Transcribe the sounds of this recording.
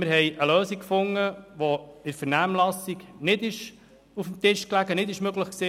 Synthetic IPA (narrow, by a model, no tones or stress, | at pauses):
mɪɾɦɛjʔəlœːsikkfʊŋːəʋɔɪɾfəɾnæmlɑsiknɪd̪ɪʃ | ufmt̪ɪʃklæɡənɪd̪ɪʃmœɡləχksiː